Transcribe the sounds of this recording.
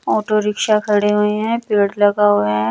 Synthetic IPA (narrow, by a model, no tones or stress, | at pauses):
ɔːʈoɾɪkʃakʰɐɽeɦueɦɛ̃ːpeːɽlɐɡaɦoeɦɛ̃ː